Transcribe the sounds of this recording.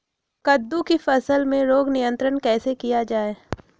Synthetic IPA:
kɐd̪ːukifɐsəlmẽɾoːɡnijə̃nt̪ɾənkɛːsekijad͡ʒaːe

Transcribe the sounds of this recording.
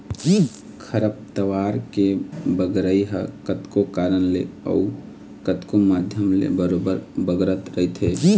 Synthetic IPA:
d͡ʒi | kʰəɾəp̚t̪əʋaːɾkebəɡɾəiɦə̰kət̪kokaːɾənlḛə̰u | kət̪komaːd̪ʱjəmlḛbəɾobəɾbəɡɾət̪ɾəit̪ɦe

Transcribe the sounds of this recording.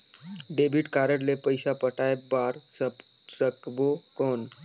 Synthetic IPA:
ɖebʱiʈkaɾəɽlepəjsapəʈaebaɾ | səkbokoːn

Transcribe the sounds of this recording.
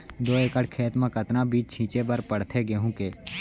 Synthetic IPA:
d̪oːeːkəɽkʰeːt̪mãkət̪nãbiːt͡ʃt͡ʃʰĩːt͡ʃebəɾpəɽ̤t̪ʰeɡeɦũːkeː

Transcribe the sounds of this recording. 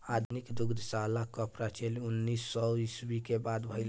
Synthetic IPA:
ad̪nikd̪uɡd̪salakəpɾat͡ʃʰelunːisːɔisbikebad̪bʱəɪl

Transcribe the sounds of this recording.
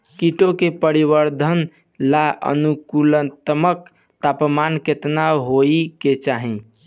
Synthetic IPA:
kiʈokepəɾibəɾd̪ʱən | laʔə̰nukulət̪mək | t̪apmanket̪naɦoiket͡ʃaɦĩ

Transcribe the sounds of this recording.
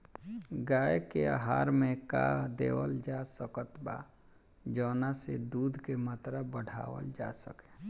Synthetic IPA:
ɡaːjekeaɦaːɾmẽka̰d̪ḛːwəld͡ʒasəkət̪ba̰ | d͡ʒəːnased̪uːd̪ʱkemat̪ɾabəɽ̤ʱa̰ːwə̰ld͡ʒa̰səke

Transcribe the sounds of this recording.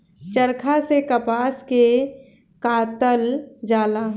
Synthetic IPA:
t͡ʃəɾkʰasekɐpaːske | kaːt̪əld͡ʒaːla

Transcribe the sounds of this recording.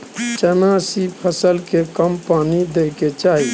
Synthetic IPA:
t͡ʃənasipʰəsəlkekəmpanid̪eket͡ʃaːɦi

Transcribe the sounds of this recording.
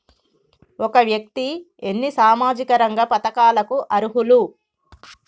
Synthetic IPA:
ɔkɐʋjɐk̚t̪i | enːisaːmaːd͡ʒikɐɾɐŋɡɐpɐt̪ɐkaːlɐkuʔɐɾuɦulu

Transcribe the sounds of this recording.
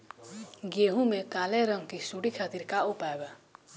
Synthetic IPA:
ɡeɦũmekaleɾʌŋkisuɽikʰat̪iɾkaupaeba

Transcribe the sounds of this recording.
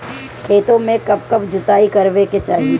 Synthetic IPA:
kʰeːt̪õmẽkɐb̚kɐbd͡ʒʊt̪aːikɐɾʋeket͡ʃaːɦi

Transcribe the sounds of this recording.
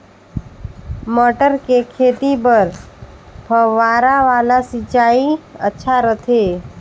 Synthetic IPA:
məʈəɾkekʰeːt̪ipəɾ | bʱəːaːɾaʋaːlasɪt͡ʃaːiə̰tːʃʰaɾət̪ʰeː

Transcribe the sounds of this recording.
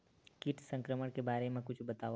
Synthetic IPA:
kɪʈʰsə̃ŋkɾəməɽ̃kebaːɾemẽkʊt͡ʃʰbɐt̪aː

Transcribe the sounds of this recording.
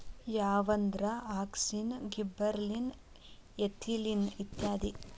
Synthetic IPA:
jaːʋɐnd̪ɾɐaːksinɡibɐɾlin | et̪ʰilinit̪jaːd̪i

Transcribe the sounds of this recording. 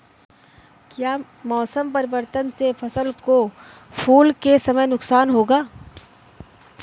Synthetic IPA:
kjaː | mɔːsəmpɐɾɪʋəɾt̪ənsefʰɐsəlko | pʰuːlkesɐməjnʊksaːnɦoːɡaː

